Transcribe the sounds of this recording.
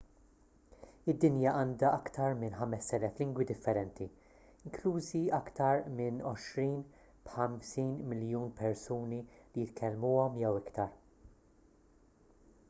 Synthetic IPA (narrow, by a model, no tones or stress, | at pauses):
ɪd̪ːɪnjɐʔɐːnd̪ɐʔɐkt̪ɐɾmɪnħɐmɛsːɛlɛflɪŋɡwid̪ɪfːɛɾɛnt̪i | ɪŋkluːziɐkt̪ɐɾmɪnɔʃɾiːn | b̥ħɐmsiːnmɪljuːnpʰɛɾsuːnilijɪt̪kʰɛlːmuːɔmjɛwɪkt̪ɐɾ